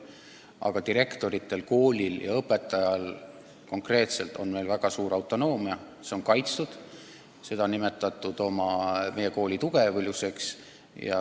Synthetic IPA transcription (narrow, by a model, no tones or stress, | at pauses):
ʔɑ̰ɡ̥ɑt̪iɾe̞kt̪o̞ɾit̪ˑːe̞lko̞ːlʲiljɑ̰ɤpːˑe̞t̪ːˑɑjɑl | ko̞ŋkre̞ːt̪se̞lt̪ˑo̞̰nme̞jlvæɡ̥ɑsuːɾɑwt̪ːˑo̞no̞ːmiɑ | se̞o̞ŋkɑjt̪st̪ud̪̥ | se̞d̪ɑonːime̞t̪ːˑɑt̪ːˑud̪̥o̞mɑme̞je̞ko̞ːlʲit̪uɡ̥evlʲjuse̞ks | jɑ̰